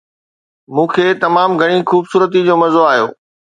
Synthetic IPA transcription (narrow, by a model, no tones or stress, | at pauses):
mũːkʰeːt̪ɐmaːmɡʱɐɽ̃ixuːbsuːɾət̪̬id͡ʑoːmɐzoaːɦjo̰ː